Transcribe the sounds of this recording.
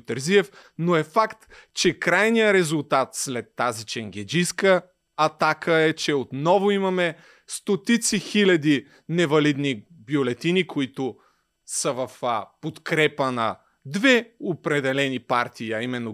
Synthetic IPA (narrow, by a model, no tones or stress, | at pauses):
t̪ɛɾziɛfnoɛfakt̪t͡ʃɛkɾajnijəɾɛzʊlˠt̪at̪slɛt̪ːazit͡ʃɛŋɡʲɛd͡ʒiskə | ɐt̪akəɛt͡ʃɛot̪nɔvʊimɐmɛ | st̪ot̪it̪sixilʲɐd̪i | nɛvɐlid̪ni | bjolɛt̪inikʊit̪ʊ | səvɐfpot̪kɾɛpənɐ | d̪vɛopɾɛd̪ɛlɛnipaɾt̪ʰiɐimɛnːo